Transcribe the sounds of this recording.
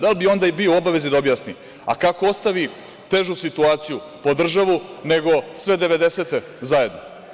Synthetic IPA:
d̪albio̞nd̪aibioobaʋezid̪aobjasni | a̰kakoost̪aʋi | t̪e̞ʒusit̪uaːt̪siju | po̞d̪r̩ʒaʋune̞ɡo̞sʋe̞d̪eʋe̞d̪eseːt̪e | zaje̞d̪no

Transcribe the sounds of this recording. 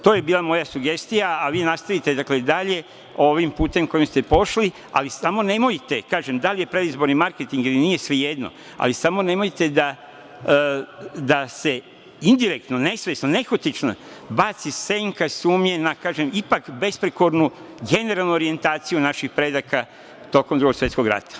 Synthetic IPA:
t̪oːje̞biːlˠamo̞jasuɡe̞st̪ijaːʋiːnast̪aʋit̪e̞d̪akle̞d̪aʎe̞ | o̞ʋimpuːt̪e̞mko̞jimst̪e̞po̞ʃli | a̰lisamo̞ne̞mo̞jt̪e̞kaːʒe̞md̪alije̞pɾe̞d̪izbo̞ɾnimaɾke̞t̪iŋɡilinije̞sʋeje̞d̪no̞̰ | a̰lisamo̞ne̞mo̞jt̪e̞d̪a | d̪ase̞ | ind̪iɾe̞k̚t̪no̞ne̞sʋesnone̞xot̪it͡ʃna̰ | bat̪sise̞ŋkasuːmɲenakaːʒemipakbe̞spɾeko̞ɾnuɡe̞ne̞ɾalˠnuoɾie̞nt̪aːt̪sijunaʃixpɾe̞d̪aka | t̪o̞komd̪ɾuɡo̞ksʋe̞t̪sko̞ɡɾa̰t̪ḁ

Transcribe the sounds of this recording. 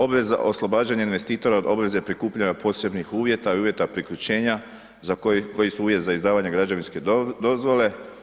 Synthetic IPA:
o̞bʋe̞za̰ʔo̞slˠo̞baːd͡ʒaɲainʋe̞st̪iːt̪o̞ɾaod̪o̞bʋe̞zepɾikuːpʎaɲapʰo̞ːse̞bnixuːʋje̞t̪aiuːʋje̞t̪apɾikʎut͡ɕe̞ːɲa | zakko̞jisuuːʋje̞t̪zaizd̪aːʋaɲe̞ɡɾad͡ʒaʋinske̞d̪o̞zʋo̞le̞

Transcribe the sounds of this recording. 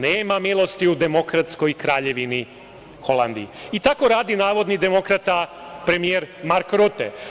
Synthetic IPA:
neːmamilˠo̞st̪iud̪e̞mo̞kɾat̪sko̞jkɾaːʎe̞ʋini | xo̞land̪ḭit̪ako̞ɾaːd̪inaːʋo̞d̪nid̪e̞mo̞kɾat̪a | pɾe̞mijeɾmaɾkɾut̪ḛ

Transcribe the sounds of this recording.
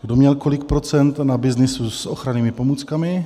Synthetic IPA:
ɡdomɲɛlko̞lɪk̚pɾo̞t͡sɛnt̪nabɪznɪsusʔoxɾaniːmɪpo̞muːt͡skamɪ

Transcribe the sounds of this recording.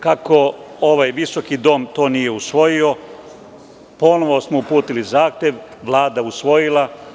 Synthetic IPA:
kako̞oʋajʋiso̞kid̪o̞ːmt̪o̞ːnije̞usʋo̞jio̞ | po̞noʋosmoupuːt̪ilizaːxt̪jeʋʋlˠaːd̪ausʋo̞jilˠa

